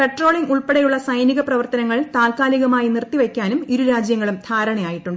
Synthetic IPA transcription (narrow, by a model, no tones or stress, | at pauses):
pe̞ʈro̞ːɭiŋɡuɭpeɽejuɭːɐsɐjniɣɐprɐʋɐrt̪ɐnɐŋːɐɭt̪aːlkaːliɣɐmaːjinirt̪ːiʋɐkʲːaːnumiɾuɾaːd͡ʑjɐŋːɐɭumd̪ʰʱaːɾɐɳɐjaːjiʈːuɳɖɨ